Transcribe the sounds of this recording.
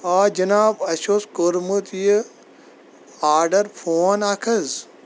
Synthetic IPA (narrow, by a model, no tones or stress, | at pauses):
aːd͡ʒɐnaːbɐʃoːskoɾmut̪ij | aːɾɖɐɾpʰoːnaːkʰɐz